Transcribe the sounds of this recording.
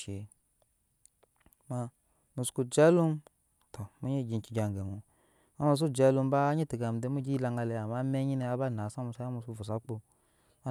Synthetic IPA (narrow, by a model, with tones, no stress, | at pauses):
e˨ | ma˧ | nu˨sku˧d͡ʒe˦lu˦m | tʰo˨mu˦ɲe˦˨ɡʲi˧nki˨ɡʲa˨ŋ˨ɡe˨mu˨ | a˦mu˧s̬u˦d͡ʒe˦lu˧m˦ba˦ɲi˦ti˨ɡa˨m˨de˦mu˦ɡi˦la˧ŋɡa˧le˧˨a˨ma˦me˦ɲi˦ne˧a˦ba˦˨na˨˦sa˦mu˧sa˦a˦mu˧su˦˨vu˨s̬a˨˦k͡po˧ | a˦